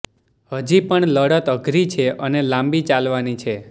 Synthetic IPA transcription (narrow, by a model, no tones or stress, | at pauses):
həd͡ʒipəɳləɽət̪əɡʱɾit͡ʃʰeʔənelãmbit͡ʃalʋanit͡ʃʰe